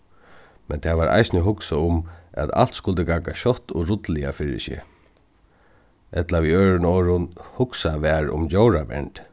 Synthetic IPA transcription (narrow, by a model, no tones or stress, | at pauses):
mɛnt̪ʰɛːʋaɾʔa̰jsnəɦʊksaʊmæ̰t̪a̰l̥t̪skʊlt̪əɪɡaːkaɕɔht̪ːɔɾʊt̪lɪafɪɹɪ̰sɪ̰ | ʔɛt̪laʋiøːɹɪnɔːɹʊnhʊksaʋɛːɹʊ̰mt͡ɕowɾaʋɛ̰ɳʈ̪